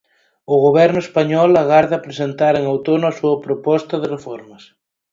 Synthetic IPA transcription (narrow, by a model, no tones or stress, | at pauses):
ʊɣoβɛɾnʊespaɲɔlaɣaɾðɐːpɾesent̪aɾeŋawt̪onoɐsuɐpɾopɔst̪ɐðerefɔɾmɐs